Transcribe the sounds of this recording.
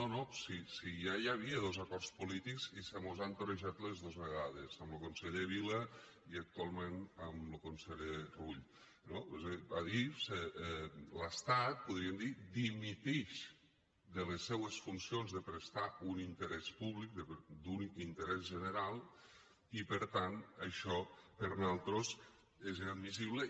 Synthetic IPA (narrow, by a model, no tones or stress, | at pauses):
nonosisijajaβ̞iəð̞ozakɔrspulit̪ikzisəmozant̪oɾeʒat̪lezðozβeɣaðezəmlokonseʎeβilə | iək̚t̪ualˠmenəmlokonseʎeruʎ | nozebaðise | ləst̪at̪̚puðɾiemd̪id̪imit̪ɛʃ | d̪əlesːɛwəsfunsionzðəpɾest̪aunint̪əɾɛspuβlik̚d̪əd̪unint̪əɾɛzʒənəɾalˠ | ipəɾt̪anəʃɔpəɾnalˠt̪ɾos | ezinad̪mis̬iβ̞lə